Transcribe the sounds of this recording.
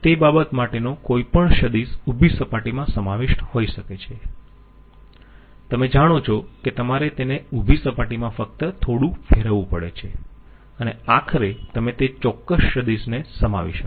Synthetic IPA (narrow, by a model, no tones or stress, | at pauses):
t̪ebabət̪maʈenokoipəɳʃəd̪isubʱisəpaʈimãsəmaʋeʃʈhoiʃəket͡ʃʰe | t̪əmed͡ʒaɽ̃ot͡ʃʰoket̪əmaɾet̪eneubʱisəpaʈimãfək̚t̪ət̪ʰoɽũfeɾəʋũpəɭḛt͡ʃʰe | əneakʰəɾet̪əmet̪et͡ʃɔkːəsːəd̪isnesəma̰ʋḭʃə